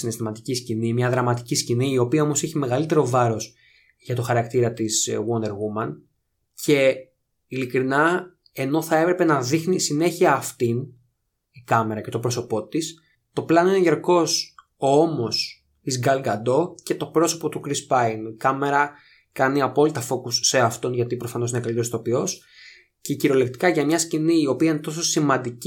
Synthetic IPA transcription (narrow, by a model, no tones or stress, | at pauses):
sinest̪imɐt̪iciscinimɲɐðɾɐmɐt̪icisciniːo̞piɐo̞mo̞seçime̞ɣɐlit̪e̞ɾo̞vɐɾo̞s | ʝɐt̪o̞xɐɾɐkt̪iɾɐt̪iswond̪e̞ɾɣumɐn | cʰe̞ | ilikɾinɐ | e̞no̞θɐe̞pɾepe̞nɐðixnisine̞çiɐːft̪in | ikɐme̞ɾɐce̞t̪o̞pɾo̞so̞po̞t̪is | t̪o̞plɐno̞inʝɐɾko̞s | oomo̞s | izɡɐlɡɐd̪o̞ce̞t̪o̞pɾoso̞pot̪ukɾispɐinikɐme̞ɾɐ | kɐniɐpo̞lit̪ɐfo̞kusːe̞ɐft̪o̞nʝɐt̪ipɾofɐnoinekɐlit̪et̪o̞pio̞s | ceciɾo̞lekt̪i̥kɐʝɐmɲɐsciniːo̞piɐine̞t̪o̞s̬o̞simɐnd̪ic